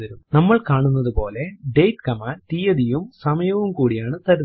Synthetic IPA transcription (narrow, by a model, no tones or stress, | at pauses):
ɐɾumnɐmːɐɭkaːɳunːɐðupo̞ːle̞ɖe̞jʈkɐmaːt̪ijɐðijumsɐmɐjɐʋumkuːɽijaːɳɨt̪ɐɾu